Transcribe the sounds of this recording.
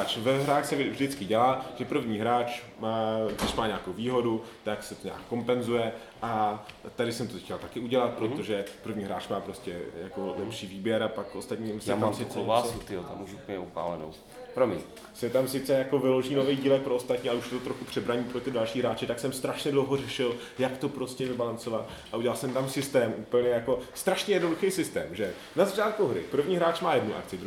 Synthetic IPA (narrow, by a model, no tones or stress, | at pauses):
at͡ʃvɛɦɾaːxsɛvdɪt͡skɪɟɛlaːʒ̥ɛpr̩vɲiːɦɾaːt͡ʃ | maːɡdɪʃmaːɲaːkowviːɦo̞dut̪aksɛt̪oɲa̰ːkːo̞mpɛnzujɛ | ʔat̪adɪsɛmt̪ot̪ɛcɛlt̪akɪuɟɛlat̪̚pɾo̞t̪o̞ʒɛpɾr̩vɲiːɦɾaːt͡ʃmaːpɾo̞scɛjako̞lɛpʃiːviːbjɛɾapakost̪at̪ɲiːmsɛamsɪt͡sɛaut̪ɪjot̪a̰muʃupɲɛupa̰ːlɛno̰w | pɾomḭ | sɛt̪amsɪt͡sɛjako̞vɪloʒiːnovejɟiːlɛk̚pɾoost̪at̪ɲiːalɛuʃjɛt̪ot̪ɾoxkupr̝̥ɛbɾaɲiːpɾo̞t̪ɪdalʃiːɦɾaːt͡ʃɪt̪aksɛmst̪ɾaʃɲɛdlowɦorɛʃɪl | jakt̪o̞pɾoscɛvɪbalant͡so̞vat̪ | ʔaʔuɟɛlalsɛmt̪amsɪst̪ɛːmʔupl̩ɲɛjako̞st̪ɾaʃɲɛjɛdnoduxɛjsɪst̪ɛːmʒɛ | nazat͡ʃaːt̪̚kuɦɾɪ̰pr̩vɲiːɦɾaːt͡ʃmaːjɛdnuʔa̰k̚t͡sɪd̪ɾu